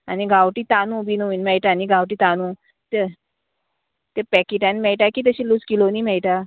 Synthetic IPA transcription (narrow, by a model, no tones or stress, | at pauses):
aniɡʱawʈiːt̪anũːbinuinmɛɭʈaːniɡʱawʈiːt̪anũː | t̪e | t̪epɛkiʈãnmɛɭʈakiːt̪̬əɕiːluskiloniːmɛɭʈa